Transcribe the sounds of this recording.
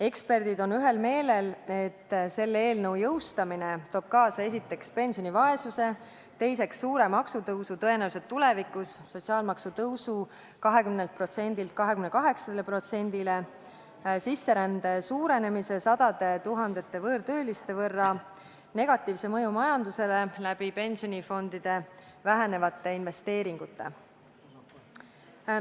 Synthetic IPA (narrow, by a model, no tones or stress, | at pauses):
e̞kspe̞rd̪̥id̪o̞nyɦe̞lme̞ːle̞le̞t̪ːse̞lːeːlnɤwjɤwst̪ɑmine̞t̪o̞ːb̥̚kɑːsɑe̞s̬it̪ːe̞kspe̞nʲsionivɑe̞suse̞ | t̪e̞jse̞ksːuːɾe̞mɑksut̪ɤwsut̪ɤe̞næwuset̪ːule̞vikusːo̞tʲsiɑːlmɑksut̪ɤwsu | kɑɦe̞kymnelt̪̚pro̞t̪se̞nʲd̪ilt̪̚kɑɦe̞kymne̞kɑɦe̞ksɑd̪elepro̞t̪se̞nʲd̪̥ile̞ | sisːe̞ɾænd̪̥e̞suːɾe̞ne̞mise̞sɑd̪̥ɑd̪̥e̞t̪uɦɑnd̪̥e̞t̪ːe̞vɤːɾt̪ø̞ːlist̪e̞vɤrːɑ | ne̞ɡ̥ɑt̪ːˑiːvse̞mɤjumɑjɑnd̪use̞le̞læb̥ipe̞nʲsionʲifo̞nd̪̥id̪̥e̞ | væɦene̞vɑt̪ːˑe̞inve̞st̪e̞ːɾiŋɡ̥ut̪ːe̞̰